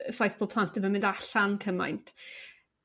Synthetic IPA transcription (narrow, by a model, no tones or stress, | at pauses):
əfajθb̥ʰoːpʰlˠantɪvamɪndaɬankʰəma̰jntʰ